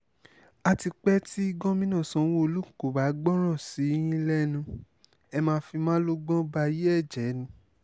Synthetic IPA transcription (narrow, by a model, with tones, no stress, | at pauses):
a˧ti˧k͡pɛ˦ti˦i˦ɡɔ̃˦mĩ˦nã˦˨sɔ̃˨˦wo˦˧lu˦˨ko˨ba˨˦ɡ͡bɔ˦ɾ̃ã˦˨si˨˦j̃ĩ˦lɛ˦nũ˧ | ɛ˧mãː˧˦fi˧mãː˦lo˦ɡ͡bɔ̃˦ba˧i˧˦je˦ɛ˦˨d͡ʒɛ˨˦nĩ˧˦